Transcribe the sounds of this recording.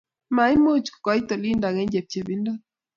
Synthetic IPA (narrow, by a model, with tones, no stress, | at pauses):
ma˨i˦mo˦t͡ʃkɔ˨˦i˦t̪o˨li˦nda˨ŋɛ˦ɲd͡ʒe˨p̚t͡ʃe˨bi˦nda˦